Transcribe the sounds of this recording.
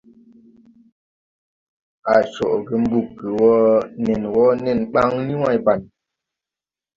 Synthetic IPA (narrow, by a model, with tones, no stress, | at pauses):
a˨t͡ʃɔ̰˨ʔɡə˨m̩˦bu˦˨kːə˨wɔ˦nɛ˨nwɔ˦nɛ˦˨nɓa˦ŋni˦wa˦˨jba˨n